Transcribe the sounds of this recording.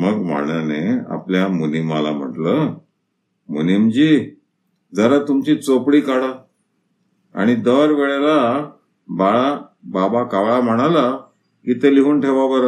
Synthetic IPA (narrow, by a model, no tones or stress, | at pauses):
məɡm̤ə̰ɳjanea̰pljamunimala̰m̤ə̰ʈlə | mṵnimd͡ʑiː | d͡zəɾat̪umt͡ɕit͡sopɽiːkaɽa | a̰ɽ̃id̪əɾʋeɭela | baɭababakaʋɭam̤əɽ̃ala | kiːt̪eliɦuːnʈʰeʋabəɾ